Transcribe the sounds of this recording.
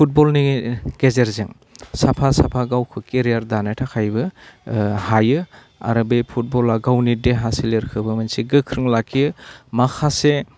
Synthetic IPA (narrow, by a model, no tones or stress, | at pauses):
pʰut̚bɔlniɡ̥ezeɾzeŋ | sapʰasapʰaɡawkʰɯkeɾijaɾdanatʰakʰajbɯ | hajɯ | a̰ɾɯbepʰut̚bɔlaɡawnideɦasileɾkʰɯbɯmɯnsiɡɯkʰɾɯŋlakʰiɯmakʰase